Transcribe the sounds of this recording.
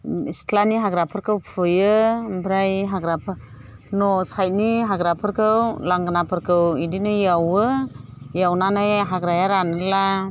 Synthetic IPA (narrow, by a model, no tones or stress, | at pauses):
istlaniɦaɡɾapʰɯɾkʰɯwpʰɯjɯbɾajɦaɡɾapʰɯɾ | nɔsajt̚niɦaɡɾapʰɯɾkʰɯwlaŋɡɯnapʰɯɾkʰɯwidinɯjawɯ | jawnanajɦaɡɾajaɾanɯla